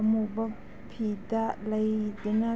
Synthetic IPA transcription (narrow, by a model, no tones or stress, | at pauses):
mubɐ | pʰid̪alɐjd̪ina